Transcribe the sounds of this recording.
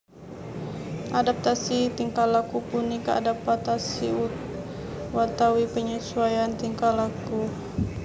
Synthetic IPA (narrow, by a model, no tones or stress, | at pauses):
ʔadap̚t̪asit̪iŋkalakupunːikəa̰dapat̪asiu | wat̪awipəɲəsuajant̪iŋkalaku